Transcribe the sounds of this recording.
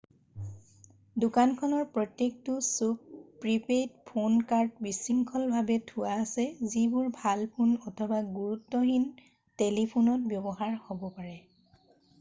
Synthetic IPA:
dukankʰɔnɔɹpɹɔtːek̚tʊsuk̚pɹipet̚pʰonkaɹtbisiŋkʰɔlbʱabɛtʰʊwaːsɛzibʊɹbʱalpʰunɔtʰɔbaɡuɹutːɔɦin | telipʰunɔt̚bjɔbɔɦaɹhobɔpaɹɛ

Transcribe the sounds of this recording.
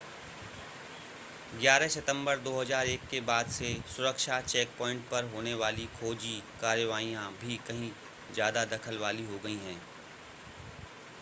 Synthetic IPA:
ɡjaːɾɛɦsɐt̪ə̃mbəɾd̪oːɦɐzaːɾeːkːebaːd̪sesʊɾəkʃat͡ʃɛːk̚pɔːɪ̃ɳʈ̚pɐɾɦoːneʋaːlikʰoːd͡ʒikaːɾjəʋaːijãbʱikɐɦĩ | zjaːd̪ad̪ɐkʰəlʋaːliɦoɡɐiɦɛ̃ː

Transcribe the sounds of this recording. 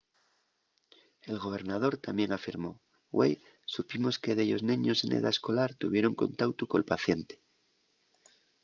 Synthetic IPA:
e̞lɣo̞β̞e̞ɾnað̞o̞ɾt̪amje̞ŋafiɾmo̞ | ɣwḛj | supimo̞ske̞ðeʎo̞̰znĩɲo̞se̞nʔḛða̰esko̞laɾt̪uβ̞je̞ɾo̞ŋko̞̰nt̪awt̪ukolpaθje̞nt̪e̥

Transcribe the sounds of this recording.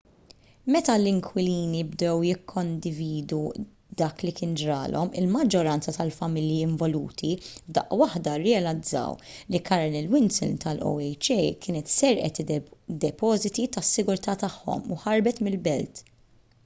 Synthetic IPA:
mɛt̪ɐlɪŋkʰwɪliːnibd̪ɛwjɪkʰːɔnd̪ɪviːd̪u | d̪ɐːklikɪːnd͡ʒɾɐːlʔɔmɪ̰lmɐd͡ʒːɔɾɐnt͡sɐt̪ɐlfɐmɪljiɪɱvɔluːt̪ibd̪ɐ̰ʔwɐħd̪ɐɾɛɐlɐd͡zːɐ̰wlikɐɾnɪlwɪnsɪ̰lt̪ɐlɔ̰wɛjt͡ʃɛjkʰɪːnɛt̪sɛɾʔɛ̰t̪d̪ɛpɔːzɪt̪it̪ɐsːɪɡʊɾt̪ɐːt̪ɐħːɔ̰mṵħɐɾbɛt̪mɪlbɛlt̪

